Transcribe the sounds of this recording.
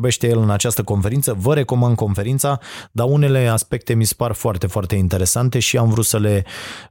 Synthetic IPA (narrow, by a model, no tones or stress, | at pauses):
be̞ʃt̪e̞jelɨnat͡ʃast̪əko̞nfe̞ɾint̪səvəɾe̞ko̞mand̪̚ko̞nfe̞ɾint̪sad̪aune̞le̞aspe̞k̚t̪e̞mise̥parfoart̪e̞foart̪e̞int̪e̞ɾe̞sant̪e̞ʃiamvɾut̪səle̞